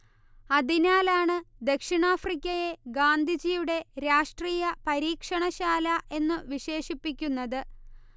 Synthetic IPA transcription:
ɐðinaːlaːɳɨd̪e̞kʂiɳaːfrikʲːɐje̞ɡaːnd̪ʱid͡ʑijuɽe̞ɾaːʂʈriːjɐpɐɾiːkʂɐɳɐɕaːlɐʔe̞nːɨʋiɕe̞ːʂipːikʲːunːɐðɨ

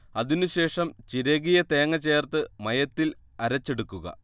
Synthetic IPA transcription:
ɐðinuɕe̞ːʂɐmt͡ɕiɾɐɣijɐt̪e̞ːŋːɐt͡ɕe̞ːrt̪ɨmɐjɐt̪ːil | ɐɾɐt͡ɕːe̞ɽukːuɣɐ̰

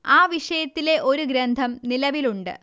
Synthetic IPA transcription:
aːʋiʂɐjɐt̪ːile̞ʔo̞ɾuɡɾend̪ʱɐmnilɐʋiluɳɖɨ̰

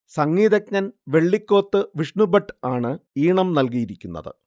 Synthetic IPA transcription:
sɐŋːiːd̪ɐkɲɐnʋe̞ɭːikʲːo̞ːt̪ːɨʋiʂɳubɐʈːaːɳɨiːɳɐmnɐlk̬ijiɾikʲːunːɐ̰ðɨ̰

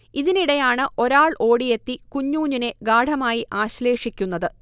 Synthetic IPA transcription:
iðiniɽɐjaːɳɨʔo̞ɾaːɭʔo̞ːɽije̞t̪ːikuɲːuːɲːine̞ɡaːɽʱɐmaːjiʔaːɕle̞ːʂikʲːunːɐðɨ

